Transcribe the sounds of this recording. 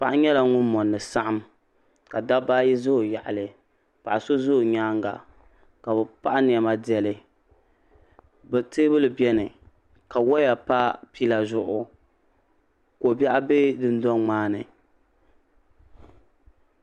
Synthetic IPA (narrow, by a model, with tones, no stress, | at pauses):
pa˨ʔa˦ɲɛ˦la˨ŋʊ˦nmɔ˨nːɨ˨sa˦ʔa˦m | ka˨da˦baː˦ji˦zʊ˦ho˨ja˨ʔa̰˨lɨ˨ | pa˨ʔa˨so˦zʊ˦hɲaː˦ŋ˦ɡa̰˨ | ka˨bɛ˨pa˦ʔa˦n˨ɛ˨ma˦di˨ɛ˨lɨ˨ | bɛ˨tɨː˦bɨ˦lɨ˨bɛ˦nɨ˨ | ka˨wɔ˦ja˨pa˦pi˦la˨zʊ˦ʔʊ˨ | ko˨bɛ˦ʔa˦be˦dɨ˦n˦dɔ˦ŋ͡maː˦nɨ˨